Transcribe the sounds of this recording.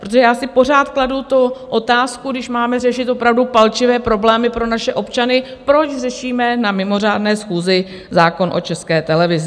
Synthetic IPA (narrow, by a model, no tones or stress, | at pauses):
pɾot̪oʒɛjaːsɪpo̞raːt̪kladut̪oʔo̞t̪aːskuɡdɪʃmaːmɛrɛʃɪt̪ʔopɾavdupalt͡ʃɪvɛːpɾo̞blɛːmɪpɾo̞naʃɛʔo̞pt͡ʃanɪpɾo̞t͡ʃrɛʃiːmɛnamɪmo̞r̝aːdnɛːsxuːzɪ | zaːko̞nʔo̞̰t͡ʃɛskɛːt̪ɛlɛvɪzɪ